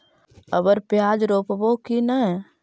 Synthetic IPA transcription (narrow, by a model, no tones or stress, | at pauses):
əbəɾpjaːd͡ʒɾoːpəbokinəɦɛ